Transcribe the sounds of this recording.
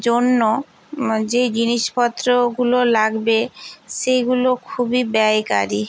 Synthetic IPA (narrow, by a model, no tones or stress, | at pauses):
d͡ʑonːo | d͡ʑed͡ʑiniʃpɔt̪ːɾoɡulolaɡbeʃejɡulokʰubibɛjka̰ɾi